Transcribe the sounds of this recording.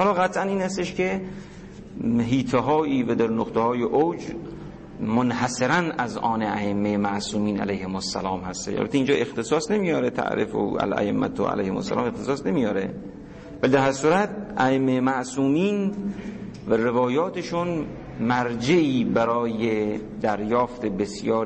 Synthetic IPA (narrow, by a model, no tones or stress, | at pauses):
hɒːlɒːɣæt̪ʰʔæniːnæst̪eʃke | ɦiːt̪ʰeɦɒːiːvæd̪æɾnoqt̪ʰehɒːjeʔowd͡ʒ | monhæseɾænæzʔɒːneæemːejemæʔsuːmiːnæ̰lejhemosːælɒːmhæst̪ḛʃʔæ̰lbæt̪ːeind͡ʒɒːʔe̞xt̪esɒːsnemijɒːɾet̪ʰæ̰ʔɾefo̰æ̰læ̰ʔemːæ̰t̪ʰo̰æ̰læ̰jhemo̰sːæ̰lɒ̰ːmext̪esɒːsnemijɒːɾe | vælid̪æɾhæɾsuːɾæt̪̚ʔæʔemːejmæʔsuːmiːn | værevɒːjɒːt̪ʰeʃun | mæɾd͡ʒeiːbæɾɒːjed̪æɾjɒːft̪ʰebesjɒːɾ